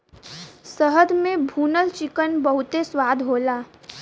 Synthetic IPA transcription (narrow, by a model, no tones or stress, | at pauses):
səɦəd̪mẽbʱuːnəlt͡ʃɪkənbəɦʊt̪eswaːd̪ʱɦoːlaː